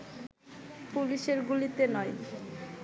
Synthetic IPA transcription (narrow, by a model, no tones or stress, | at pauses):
puliʃeɾɡulit̪enɔj